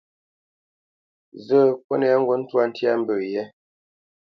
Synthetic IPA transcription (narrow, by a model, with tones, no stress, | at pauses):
zə˦˨kwɔ˦ne˦˨a˦ŋ˦ɡwɔ˦n̩˦twa˦n̩˦tja˦m̩˦bə˨jɛ˦